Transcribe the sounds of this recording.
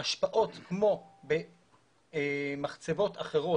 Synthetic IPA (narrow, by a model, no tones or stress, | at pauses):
aʃpaʔo̞t̪kmo̞be | maχt͡sevo̞t̪aχe̞ʁo̞